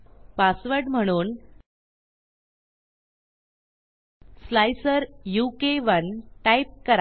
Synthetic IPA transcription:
pasʋəɾɖm̤əɽ̃uːn | slajsəɾjukeʋənʈajp̚kəɾa

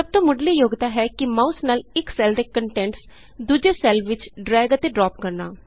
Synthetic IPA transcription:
səb̚t̪õːmʊɖliːjoːɡt̪aːɦɛːkɪmãːʊsnaːlɪksɛːld̪eːkəɳʈɛ̃ːɳʈs | d̪uːd͡ʒeːsɛːlʋɪt͡ʃɖɾɛːɡət̪eːɖɾɔːpkəɾnaː

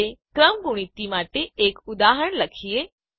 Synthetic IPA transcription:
ekɾəmɡʱuɽ̃it̪imaʈeːkʊd̪aɦəɳləkʰie

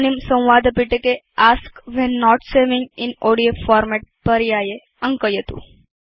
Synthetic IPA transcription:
nimsə̃wʋad̪ʱəpiʈeke | askʋɛnːɔʈseʋɪ̃ŋɡɪnoɽiofɔɾmɛʈ̚pəɾjaje | ə̃ŋkəjət̪ṵ̃

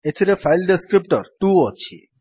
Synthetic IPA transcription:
et̪ʰiɾefʰajlɖeskɾip̚ʈɔɾt̪ũɔt͡ʃʰḭ

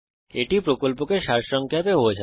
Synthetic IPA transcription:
eʈipɾokolpokeʃaɾʃɔŋkʰjapeɦoet͡ɕʰa

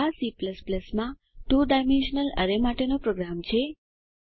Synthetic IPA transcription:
asipləspləsmã | tuɖajmenʃənələ̰ɾemaʈenopɾoɡɾamt͡ʃʰe

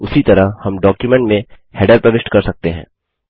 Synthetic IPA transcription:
ʊsit̪ɐɾahɐmɖɔːkjumɛ̃ɳʈmẽ | hɛːɖəɾpɾɐʋɪʃʈkɐɾsɐk̚t̪eɦɛ̰̃ː

